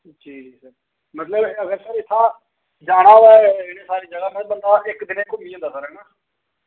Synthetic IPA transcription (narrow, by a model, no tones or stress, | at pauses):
d͡ʒiːd͡ʒiːsəɾ | mət̪ləbəɡəɾsəɾɪt̪ʰːãː | d͡ʒaːɽ̃aːʋɛːɪneːsaːɾiːd͡ʒəɡaːmɛ̃bənd̪aːʔɪkd̪ɪneːkʊmĩːõnd̪aːsəɾɛːnaː